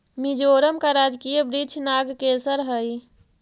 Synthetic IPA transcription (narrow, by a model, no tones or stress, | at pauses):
mid͡ʒoɾəmkaɾad͡ʒkijəbɾit͡ʃʰnaɡkesəɾɦəj